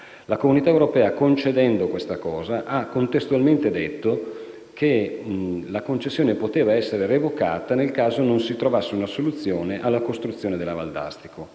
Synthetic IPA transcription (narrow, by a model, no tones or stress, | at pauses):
lakomunit̪aewɾopɛːakont͡ʃed̪ɛnd̪okwest̪akɔːzaʔakːont̪est̪ualment̪ed̪et̪ːo | kʰe | lakont͡ʃesːjoːnepot̪eːvaɛsːeɾerevoka̰ːt̪anelkaːzononsit̪ɾovasːeunasolut̪sːjoːneʔalːakost̪ɾut̪sːjoːned̪elːava̰ld̪a̰st̪i̥kʰo